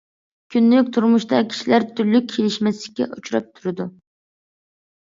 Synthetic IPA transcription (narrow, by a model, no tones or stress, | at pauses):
kʲʰynːykʲt̪ʰuɾmʊʃt̪ɑkʲʰi̥ʃilæɾt̪ʰyɾlyk̚ʲʰːelɪʃmɛsɪlɪ̥kʲːɛ̰ʔut͡ʃʰuɾɑ̰p̚t̪ʰuɾɪd̪u